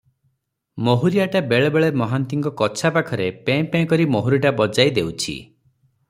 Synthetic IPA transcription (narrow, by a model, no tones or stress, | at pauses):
moɦuɾijaʈabeɭɔbeɭemɔɦant̪iŋkɔkɔt͡ʃʰapakʰɔɾepẽpẽkɔɾimoɦuɾiʈabɔd͡ʒajd̪ewt͡ʃʰḭ